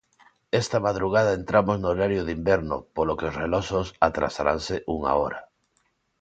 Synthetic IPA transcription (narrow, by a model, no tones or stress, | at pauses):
ɛst̪amaðɾuɣ̞aðaent̪ɾamoznooɾaɾjoðimbɛɾno̰polokeosrelɔsosat̪ɾa̰saɾa̰nseʔuŋa̰oɾa